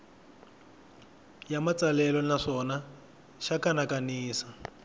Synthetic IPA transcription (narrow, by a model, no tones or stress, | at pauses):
jamat͡salɛlɔnaʂɔna | ʃakanakaniːsḁ